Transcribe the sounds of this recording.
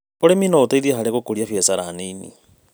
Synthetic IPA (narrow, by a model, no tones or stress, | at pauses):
oɾeminootaiðiaɦaɾeɣokoɾiafjɛsaɾaninḭ